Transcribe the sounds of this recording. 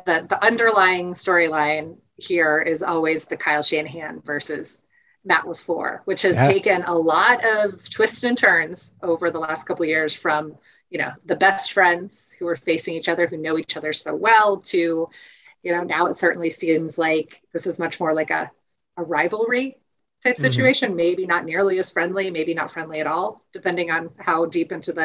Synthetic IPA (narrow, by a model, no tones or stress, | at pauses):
ðiðiʔʌ̃ndə˞laɪɪ̃ŋstɔɹilãɪ̃n | hiɹɪzɔ̰lˠwizðɨkʰaɪlˠʃẽnɦæ̃nvɜ˞sɪz̥ | mæ̰ʔləflɔ̰ɹwɨt͡ʃhɨz̥tʰeɪkɨ̃nəlɔɾʌv̥tʰw̥ɪstsɨ̃ntʰɜ̃˞nz̥ʔoʊvə˞ðəlæstkʰʌpl̩ˠvjɪɹz̥fɹʌ̃m | jɨño̰ʊðɨbɛstfɹɛ̃ndz̥huə˞feɪsɪ̃ŋit͡ʃʌðə˞hʉnoʊit͡ʃʌðə˞soʊwɛlˠtʰʉ | jɨnoʊnaʊətsɜ˞ʔn̩lisĩmzlaɪkðɪsɨzmʌt͡ʃmɔɹlaɪkə̰ | əɹaɪvl̩ˠɹi | tʰaɪpsɪt͡ʃʉeɪʃɨ̃nmeɪbinətⁿnɪɹlˠiɨz̥fɹɛ̃ndˡlimeɪbinə̰tfɹɛ̃ndˡliɨɾɔlˠd̥ɨpʰɛ̃ndɪ̃ŋə̃nhaʊdipɪ̃ntʉðɨ